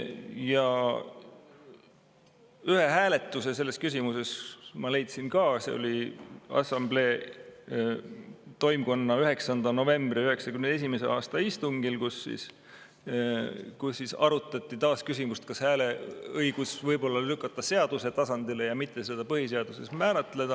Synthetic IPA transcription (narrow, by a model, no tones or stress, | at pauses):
jɑ | yhe̞ɦæːle̞t̪ːˑuse̞se̞lːe̞skys̬ʲimuse̞smɑle̞jt̪sinkɑːsḛo̰liɑ̰sɑmble̞ː | t̪o̞jmko̞nːɑyɦe̞ksɑnd̪̥ɑno̞ve̞mb̥riyhe̞ksɑkymne̞simese̞̰ʔɑːst̪ɑist̪uŋɡ̥ilkusːḭs | kusːisɑɾut̪ˑːɑt̪ˑːit̪ɑːskys̬ʲimust̪̚kɑshæːle̞ɤjɡ̥usvɤjbo̞lːɑlykːˑɑt̪ːˑɑse̞ɑd̪use̞t̪ɑsɑnd̪̥ile̞jɑmit̪ːˑe̞sed̪̥ɑpɤhis̬e̞ɑd̪̥use̞̰smæːɾɑt̪le̞d̪ɑ